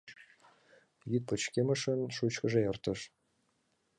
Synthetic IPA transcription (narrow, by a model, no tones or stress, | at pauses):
jyt̪̚pɤ̆t͡ɕkʲemɘ̆ʂɤ̆nʃut͡ɕkɤ̆ʒejɤ̆rt̪ɤ̆ʂ